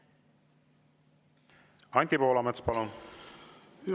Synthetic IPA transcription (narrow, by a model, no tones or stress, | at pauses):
ɑnʲt̪ipoːlɑmet̪spɑlun